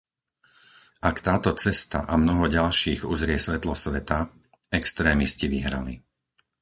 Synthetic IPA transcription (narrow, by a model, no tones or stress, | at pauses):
ʔakt̪aːt̪ɔt͡sɛst̪a̰ʔamnɔɦɔɟalʃiːɣuzɾɪɛsʋɛt̪lɔsʋɛt̪a | ɛkst̪ɾɛːmisciʋiɦɾa̰lḭ